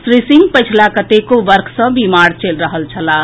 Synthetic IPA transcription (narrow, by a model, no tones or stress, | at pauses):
sɾisĩŋɡpəjt͡ʃʰlakət̪ekoʋəɾkʰsə̃bimaɾt͡ʃelɾəɦəlt͡ʃʰəla